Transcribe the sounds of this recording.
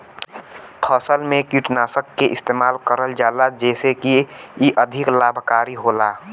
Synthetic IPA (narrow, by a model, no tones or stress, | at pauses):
pʰəsəlmẽkiʈnaːsəkːeʔɪst̪eːmaːlkəɾəld͡ʒaːlad͡ʒɛːsekiiʔəd̪ʱɪklaːbʱkaːɾiɦola